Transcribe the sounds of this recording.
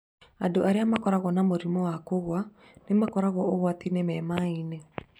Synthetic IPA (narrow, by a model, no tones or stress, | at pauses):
adoʔaɾeamakɔɾaɣɔnamoɾimɔwakoɣwa | nemakɔɾaɣɔoɣwat̪inɛmɛmaine